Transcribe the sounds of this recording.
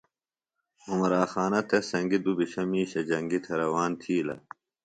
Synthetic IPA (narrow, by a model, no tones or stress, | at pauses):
umɐɾaːxaːnɐt̪ʰesɐŋɡid̪ubiɕɐmiːɕɐd͡ʑɐŋɡit̪ʰeɾɐwaːnt̪ʰiːlɐ̰